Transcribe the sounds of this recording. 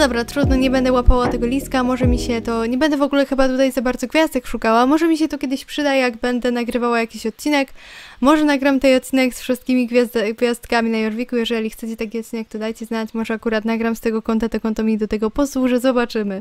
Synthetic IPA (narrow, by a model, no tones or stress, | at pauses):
d̪ɔbɾat̪ɾud̪nɔɲɛbɛnd̪ɛwapawat̪ɛɡɔlʲiskamɔʐɛmʲiɕɛt̪ɔɲɛbɛnd̪ɛvɔɡulɛxɘbat̪ut̪ajzabaɾd̪zɔɡvʲjazd̪ɛkʂukawamɔʐɛmʲiɕɛt̪ɔkʲɛd̪ɘɕpʂɘd̪ajjaɡbɛnd̪ɛnaɡɾɘvawajakʲiɕɔt̪̚t͡ɕinɛkmɔʐɛnaɡɾamt̪ɛjɔt̪̚t͡ɕinɛksfʂɨst̪̚kʲimʲiɡvʲazɡvʲjast̪kamʲinajɔɾvʲikujɛʐɛlʲixt̪sɛt͡ɕɛt̪ak̬ʲiɔt̪̚t͡ɕinɛk̚t̪ɔd̪ajt͡ɕɛznat͡ɕmɔʐɛakuɾat̪naɡɾamst̪ɛɡɔkɔnt̪at̪ɔkɔnt̪amʲid̪ɔt̪ɛɡɔpɔswuʐɛzɔbat͡ʂɘmɘ